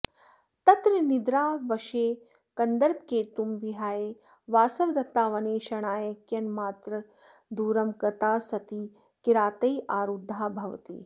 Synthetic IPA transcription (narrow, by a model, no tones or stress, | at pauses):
t̪ɐt̪ɾɐnid̪ɾaːʋɐʃeː | kɐnd̪ɐɾp̚keːt̪umʋiɦaːjeː | ʋaːsɐʋd̪ɐt̪ːaːʋɐneːʃɐɳ̃aːjɐkjɐnmaːt̪ɾɐd̪uːɾɐmkɐt̪aːsɐt̪iː | kiɾaːt̪ɐjʔaːɾud̪ʱːaːbʱɐʋɐ̰t̪ḭː